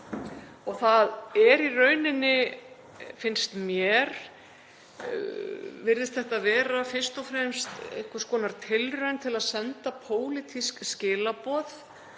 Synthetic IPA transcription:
ɔɣθaðɛɾirœːɥnɪnːɪ | fɪnst̪mjɛɾ | vɪɾðɪst̪θɛht̪avɛːɾafɪr̥st̪ɔfɾɛmst̪ḛjhkvḁskɔːnaɾ̥t̪ʰɪlrœɥnt̪ʰɪlaðsɛnt̪apʰoːwlɪt̪ʰiskscɪːlapɔθ

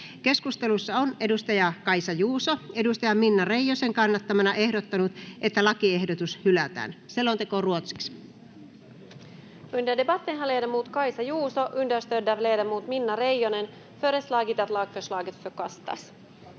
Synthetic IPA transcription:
ke̞skust̪e̞lusːɑone̞dust̪ɑjɑkɑjsɑjuːsoe̞dust̪ɑjɑminːɑre̞jːoseŋkɑnːɑt̪ːɑmɑnɑʔe̞hdot̪ːɑnut̪ʔet̪ːælɑkiehdot̪ushylæt̪æ̰ːnselːont̪ekoruot̪si̥ks | ynd̪edebɑt̪ːenɦɑlejdɑmuːt̪kɑjsɑjuːsoʔynd̪ærst̪ødæʋlejdɑmuːt̪minːɑɾejjonen | føɾeslɑːkit̪ɑt̪lɑːkføslɑːkit̪føkɑst̪ɑ̰s

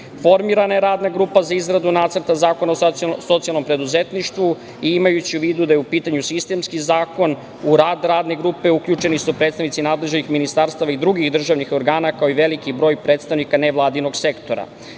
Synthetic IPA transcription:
fo̞ɾmiɾanajeɾaːd̪naɡɾupazaizɾad̪unaːt̪sər̩t̪azaːko̞naoso̞t̪sialˠno̞mpɾe̞d̪uzet̪niʃt̪ʋu | iimajut͡ɕiuʋiːd̪ud̪ajeupiːt̪aɲusist̪e̞mskizaːko̞n | uɾaːd̪ɾaːd̪ne̞ɡɾupe̞ukʎut͡ʃe̞nisupɾe̞ːt̪st̪aʋnit̪sinaːd̪le̞ʒenixminist̪aɾst̪aʋaid̪ɾuɡixd̪r̩ʒaʋnixo̞ɾɡaːnakaoiʋe̞likibɾo̞ːjpɾe̞ːt̪st̪aʋnikaneʋlˠaːd̪ino̞ɡse̞kt̪o̞ɾa̰

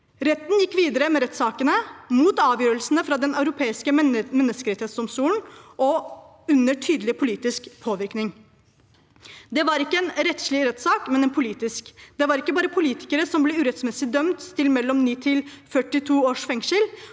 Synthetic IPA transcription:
ɾɛt̪ːnjɪkːʋiːd̪əɾəmɛɾɛt̪ːsɑːkənəmuːt̪ɑːʋjøːɾəlsnəfɾɑd̪ɛnɑʉɾʊpʰeːɪskəmɛnːəskəɾɛt̪hɛt̪sʊmsuːn̩ʔɔ | ʉnːəʈʰyːd̪lɪpʰʊliːt̪ɪskpʰoːʋɪɾknɪŋ | d̪ɛʋɑɾɪkːəɛnɾɛt̪ʂɭɪɾɛt̪sɑːkmɛnɛːnpʰʊliːt̪ɪskd̪ɛʋɑɾɪkːəbɑːɾəpʰʊliːt̪ɪ̥kəɾəsɔmblɛʉːɾɛt̪smɛsɪd̪œmt̪t̪ʰɪlmɛlːɔmniːt̪ʰɪlfœʈːɪt̪ʰuːoːʂfɛŋʂəl

